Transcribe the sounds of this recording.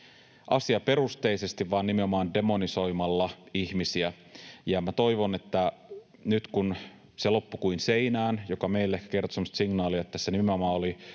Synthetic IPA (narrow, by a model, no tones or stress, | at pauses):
ʔɑsiɑpe̞ɾust̪e̞ise̞st̪iʋʋɑːnːimeomɑːnde̞mo̞niso̞jmɑlːɑiçmisiæ | jɑmæt̪o̞iʋo̞net̪ːæ | nyt̪kun | selo̞pːukuinse̞inæːnjo̞kɑme̞ilːæekːæ̥ke̞rt̪osemost̪siŋnɑːliɑet̪ːæsenimeo̞mɑːoli